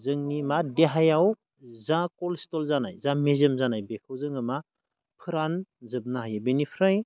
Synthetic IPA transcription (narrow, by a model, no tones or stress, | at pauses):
zɯŋnimadeɦajaw | zãkɔlstɔlzanajzãmezemzanajbekʰawzɯŋɯma | pʰɯɾanzɯb̚naɦajabenipʰɾaj